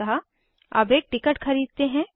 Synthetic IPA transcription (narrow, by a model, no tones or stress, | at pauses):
ɐɦa | ɐ̰beːk̚ʈɪkəʈxɐɾiːd̪̚t̪eɦɛ̃ː